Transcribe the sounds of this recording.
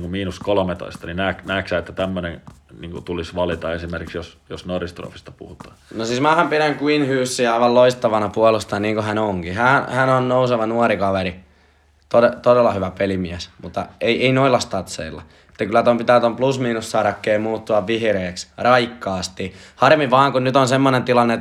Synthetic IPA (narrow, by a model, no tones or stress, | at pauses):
ŋkumiːnuskolomet̪o̰ist̪ɑninæːknæːksæːet̪ːæt̪æmːønenniːŋkut̪ulisʋɑlit̪ɑesimerkiksjosjosnorist̪ro̰ːfist̪ɑ̥pṵhut̪ˑɑ̥ːnosiːsmæhæmpiɾæŋkuinhyːsːiɑiʋɑlloist̪ɑʋɑnɑpuolust̪ɑniːŋkohænoŋkihænhænonnouseʋɑnuɑɾikɑʋeɾi | t̪odet̪odelːɑhyʋæpelimiæsmut̪ːɑ̰eieinoilːɑst̪ɑt̪sḛilːɑ̰ | e̥t̪ːækylːˑæt̪ompit̪æːt̪omplusmiːnusːɑːɾɑkːeːmmuːt̪ːuɑʋʋihreːksrɑikːɑːst̪ihɑrmiʋɑːŋkunnyt̪onsemːonent̪ilɑnːet